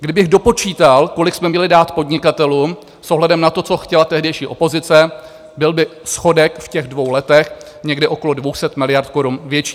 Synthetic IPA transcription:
ɡdɪbɪɣdo̞po̞t͡ʃiːt̪alko̞lɪksmɛmɲɛlɪdaːt̪po̞dɲɪkat̪ɛluːm | sʔoɦlɛdɛmnat̪o̞t͡so̞xcɛlat̪ɛɦdɛjʃiːʔo̞po̞zɪt͡sɛ | bɪlbɪsxo̞dɛkfcɛɣdvo̞wlɛt̪ɛx | ɲɛɡdɪʔo̞ko̞lo̞dvowsɛt̪mɪlɪjaɾt̪̚ko̞ɾunvjɛt͡ʃiː

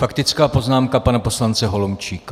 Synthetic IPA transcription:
fakt̪ɪt͡skaːpo̞znaːmkapanapo̞slant͡sɛɦo̞lomt͡ʃiːka

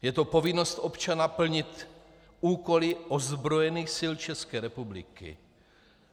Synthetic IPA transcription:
jɛt̪opo̞vɪno̞st̪ʔo̞pt͡ʃanapl̩ɲɪt̪ | uːko̞lɪʔozbɾo̞jɛniːxsɪlt͡ʃɛskɛːɾɛpublɪ̰kɪ̰

